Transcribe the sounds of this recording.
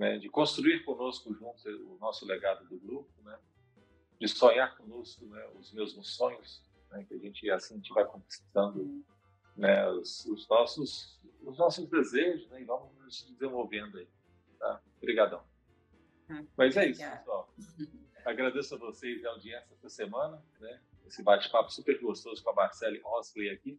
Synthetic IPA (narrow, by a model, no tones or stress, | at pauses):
nɛ̰d͡ʒɪkõst̪ɾuiɾkõnoskʊʒũnt̪ʊzʊnɔsʊleɡad̪ʊd̪ʊɡɾup̚ʊnɛ | d͡ʒɪsõɲaɾkõnoskʊnɛʊzmewzũsõɲʊs | nɛkɪɐʒẽnt͡ʃɪasĩt͡ʃɪvajkõki̥st̪ɐ̃nd̪ʊ | nɛasʊznɔsʊsʊznɔsʊzd̪ezeʒʊznɛɪvɐ̃mʊ | sd͡ʒɪzẽvowvẽnd̪ʊai | t̪a̰ | bɾiɡad̪ɐ̃w̃ | mɐzɛisʊsɔ | aɡɾad̪esʊɐvosezɛw̃d͡ʒiɐɛsɛsɐsemɐ̃nɐnɛ | esɪbat͡ʃɪ̥papʊ̥supeɾɡost̪ozʊkõɐmaɾsɛlɪɔsklejaki